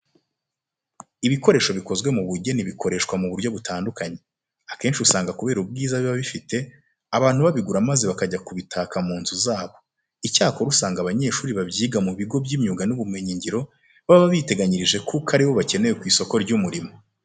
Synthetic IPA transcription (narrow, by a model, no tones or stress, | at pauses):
iβiko̞ɾe̞ːʃo̞βiko̞zwe̞muβuɾɟe̞niβikʰo̞ɾe̞ʃkwamuβuɾjo̞βutaːndukaɲe̞ | ake̞ːnʃiusaːŋɡakuβe̞ːɾub̚ɡiːzaβiβaβifite̞ | aβaːn̥huβaβiɡuɾamaze̞βakaɟakuβitʰakamuːnzuzaːβo̞ | icaːko̞ɾusaːŋɡaβaɲe̞ːʃuːɾiβabɟiːɡamuβiɡo̞bɟiːmɲuːɡanuβumŋeɲiɲɟiɾo̞ | βaβaβite̞ɡaɲiɾiʒe̞kʰukʰaɾiβo̞βace̞ne̞jekwiːso̞ko̞ɾɟumuɾimo̞